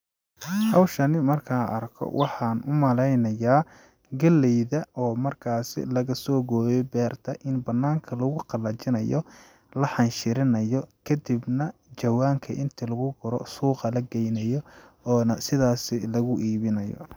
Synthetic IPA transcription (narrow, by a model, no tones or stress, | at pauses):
hɑwʃɐnɪmɐrkʰɐɐrkʰɔ̰wʔɑħɑːnʊmɐlɛjnɐjaː | ɡɐlːɛjðɐɔːmɐrkʰaːsɪ̰lɐɣɐsɔːɡɔːjɛbɛːrt̪ʰɐʔɪnbɐnːaːŋkʰɐlɐɣʊqɑlɐt͡ʃɪnɐjɔ | lɐħɑnʃɪɾɪnɐjɔkʰɐd̪ibnɐt͡ʃɐwaːŋkʰɐʔɪnt̪ʰilɐɣʊɡʊɾɔ̰suːqɐlɐɡɛjnɐjɔɔːnɐsɪðaːsɪlɐɣʊʔiːβɪnɐjɔ̰